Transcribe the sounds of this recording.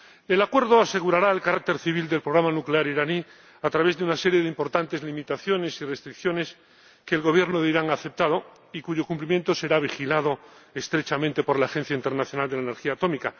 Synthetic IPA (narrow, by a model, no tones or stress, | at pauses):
e̞lakwe̞ɾðoase̞ɣ̞uɾaɾaelkaɾak̚t̪e̞ɾθiβ̞ild̪e̞lpɾoɣɾamanukle̞aɾiɾani | at̪ɾaβ̞e̞zðeunase̞ɾje̞ðeimpo̞ɾt̪ant̪e̞zlimit̪aθjo̞ne̞sirest̪ɾikθjo̞ne̞s | keːlɣo̞β̞je̞ɾnoðeiɾaŋaθe̞p̚t̪að̞o̞ | ikuʝo̞kumplimjẽnt̪o̞se̞ɾaβ̞ixilað̞o̞est̪ɾet͡ʃamẽnt̪e̞po̞ɾlaːxe̞n̟θjaint̪eɾnaθjo̞nald̪eleneɾxiaːt̪o̞mika